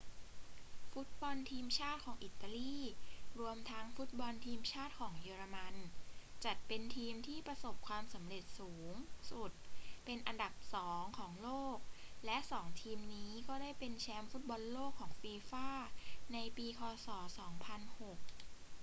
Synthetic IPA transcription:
fu˦˥t̪̚bɔ˧nt̪ʰiː˧mt͡ɕʰaː˥˩t̪̚kʰɔː˩˦ŋʔi˨˩t̪ːa˧liː˥˩ɾu˧əmt̪ʰa˦˥ŋfu˦˥t̪̚bɔ˧nt̪ʰiː˧mt͡ɕʰaː˥˩t̪̚kʰɔː˩˦ŋjɯː˧ɾa˧ma˧nt͡ɕa˨˩t̪̚pe˧nt̪ʰiː˧mt̪ʰiː˥˩pɾa˧so˨˩p̚kʰwaː˧msa˩˦mɾe˨˩t̪̚suː˩˦ŋsu˨˩t̪̚pe˧nʔa˧nda˨˩p̚sɔː˩˦ŋkʰɔː˩˦ŋloː˥˩k̚lɛ˦˥ʔsɔː˩˦ŋt̪ʰiː˧mniː˦˥kɔː˥˩daː˥˩jpe˧nt͡ɕʰɛː˦˥mfu˦˥t̪̚bɔ˧nloː˥˩kʰːɔː˩˦ŋfeː˧faː˥˩na˧jpiː˧kʰɔː˧sɔː˩˦sɔː˩˦ŋpʰa˧nho˨˩k̚

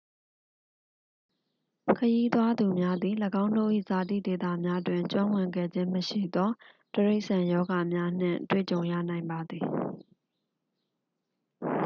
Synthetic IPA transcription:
kʰəji˦t̪wa˦d̪u˨mja˦d̪i˨ləɡã˦ʊ̃ndo˦˨ʔḭ˦˨za˨t̪ḭ˦˨de˨t̪a̰˦˨mja˦dwɪ̃˨t͡ɕwã˦wɪ̃˨ŋɡɛ̰˦˨d͡ʑɪ̃˦məʃḭ˦˨d̪ɔ˦ | təɹe˦ɪʔsã˨jɔ˦ɡa˨mja˦n̥ɪ̰̃˦˨twḛ˦˨t͡ɕõ˨ʊ̃jä̰˦˨nã˨ɪ̃mba˨d̪ði˨

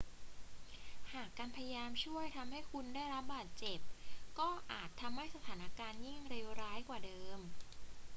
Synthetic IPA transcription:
haː˨˩kːaː˧npʰa˧ja˧jaː˧mt͡ɕʰu˥˩əjt̪ʰa˧mha˥˩jkʰu˧ndaː˥˩jɾa˦˥p̚baː˨˩t̪̚t͡ɕe˨˩p̚kɔː˥˩ʔaː˨˩t̪ʰːa˧mha˥˩jsa˧t̪ʰaː˩˦na˧kaː˧nji˥˩ŋɾe˧wɾaː˦˥jkwaː˨˩dɤː˧m

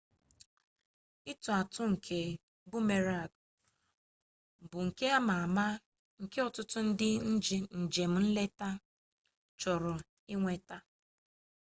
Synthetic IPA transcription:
ɪ˦tu˨a˨tʊ˦ŋ̩˨kʰe˨ | bu˦me˨ɾa˦˨ɡ̚ | bʊ˨ŋ̩˨ke˦a˦ma˨ma˦ | ŋ̩˨ke˦ɔ˨tʊ˦tʊ˦n̩˦dɪ˦n̩˦d͡ʒi˨n̩˨d͡ʒe˨m̩˨˦n̩˦le˦ta˦ | t͡ʃɔ˨ɾʊ˨ | ɪ˦ŋʷe˨ta˦

